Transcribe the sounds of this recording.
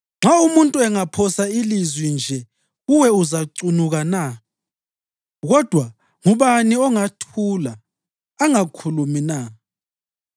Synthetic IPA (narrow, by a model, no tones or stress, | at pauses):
ŋ͡ǁaumuntʼuɛŋapʰɔsailizwind͡ʒʱɛ | ɣuwɛuzaǀunuɣana | ɣɔd̥ʱwa | ŋuβaniɔŋatʰulaː | ŋakʰulumina